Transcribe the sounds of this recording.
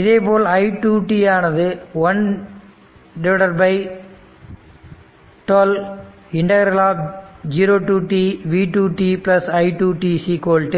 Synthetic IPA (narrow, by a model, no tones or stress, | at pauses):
ɪðeːpoːlɐɪʈuːʈiaːnɐðɯʋɐn | ɖɪʋɪɽɐɾbɐɪ | ʈɐl | ɪɳɖɐɣɐɾɐlaːp̚d͡ʒiːɾoːʈuːʈiːʋiːʈuːʈiːplɐsɐɪʈuʈisiːkoːlʈɯ